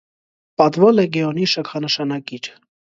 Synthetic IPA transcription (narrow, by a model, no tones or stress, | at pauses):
pɑt̪vɔlɛɡɛɔniʃəkʰɑnəʃɑnɑkiɾ